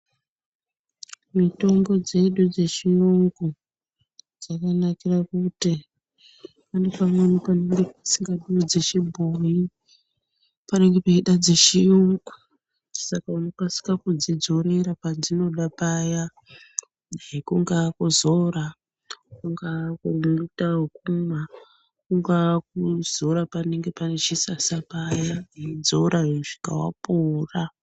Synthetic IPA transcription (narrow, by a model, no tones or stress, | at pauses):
mito̞mbo̞d͡ze̞ɗud͡ze̞ʃijuŋɡu | d͡zakanakirakuti | anepamonipane̞ŋɡe̞pasiŋɡaɗud͡ze̞ʃibʱoji | pane̞ŋɡe̞paiɗad͡ze̞ʃijuŋɡu | sakauno̞kwasi̥kakud͡zid͡zo̞ɾe̞ɾapad͡zino̞ɗapaja | ekuŋɡakuzoɾa | kuŋɡakumutaukuma | kuŋɡak̚uz̥o̞ɾapane̞ŋɡe̞panet͡ʃisasapajaned͡zoɾaʐi̥ka̰wa̰pora